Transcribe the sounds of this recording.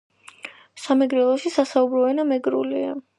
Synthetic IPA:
samɛɡɾɛlˠɔʃisasaubɾɔɛnamɛɡɾṵlia̰

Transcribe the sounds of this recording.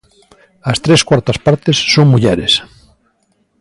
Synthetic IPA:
ɐst̪ɾeskwaɾt̪ɐspaɾt̪esːoŋmuʎɛɾes

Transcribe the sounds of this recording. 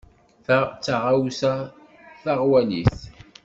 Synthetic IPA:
t͡sːaʁawsa | θaʁwæniθ

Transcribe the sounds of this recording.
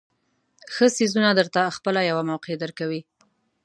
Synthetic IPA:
xəsizunad̪əɾt̪axpəlajawamawqed̪əɾkawi

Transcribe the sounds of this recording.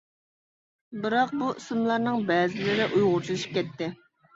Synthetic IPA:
bɨɾɑq̚buʔisɨmlˠɑɾnɨŋbɛːzɪlɪɾɪʔujʁʊɾt͡ʃʰilˠɨʃi̥p̚kʲɛt̪ːɪ

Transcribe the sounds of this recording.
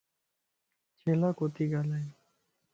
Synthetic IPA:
t͡ɕelakot̪iɡalae

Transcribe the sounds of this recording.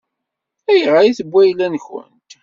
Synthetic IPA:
æjəʁaiθəbʷːæjlænçə̰nt̪

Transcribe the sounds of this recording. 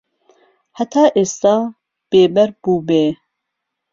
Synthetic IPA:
hat̪ʰɑːʔeːst̪ɑː | b̥eːbɛɾb̥uːbeː

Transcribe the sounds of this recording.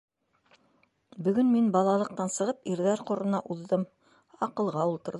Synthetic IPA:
bɵ̆ɡɵnminbɑlˠɑlˠɤ̆q̚t̪ɑnsɤ̆ʁɤpiɾðæɾqŏɾɤ̆nɑʔuðːɤm | ɑqɤ̆lˠʁɑulˠt̪ɤ̆ɾ

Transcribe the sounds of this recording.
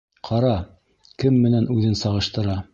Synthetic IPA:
qʰɑɾɑ | kɘmːɘ̆nænʉðɘnsɑʁɤ̆ʃt̪ɤ̆ɾɑ

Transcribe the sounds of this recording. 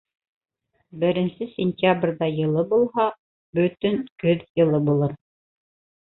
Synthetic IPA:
bɘ̆ɾɘ̆nsɘsʲɪnʲt̪ʲjabrʲðɑjɤ̆lˠɤbulˠɦɑ | bɵt̪ɵŋkɵðjɤ̆lˠɤbulˠɤ

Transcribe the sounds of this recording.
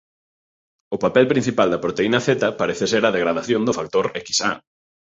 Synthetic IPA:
ʊpapɛlpɾin̟θipald̪ɐpɾot̪einɐθet̪ɐpaɾeθeseɾɐðeɣɾaðaθjond̪ʊfak̚t̪oɾeki̥sa̰

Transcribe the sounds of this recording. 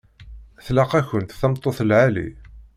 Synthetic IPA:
θlɑqæçənt̪θæmt̪ˤːoθəlʕalḭ

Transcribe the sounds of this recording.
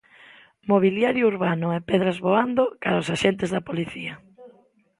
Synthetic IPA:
moβ̞iljaɾjʊuɾβanʊɛpeðɾazβoand̪okaɾaʊsaʃent̪ɪzðɐpoliθiɐ

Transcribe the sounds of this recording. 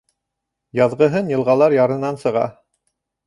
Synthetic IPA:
jɑðʁɤ̆ɦɤnjɤ̆lˠʁɑlˠɑɾjɑɾɤ̆nɑnsɤ̆ʁɑ̰

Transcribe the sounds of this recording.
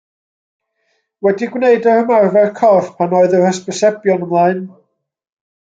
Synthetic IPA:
wɛdiɡwneɨdaəmarvɛrkʰɔθpʰanoɨðəhəsb̥əsɛbjɔnəmlˠaɨn

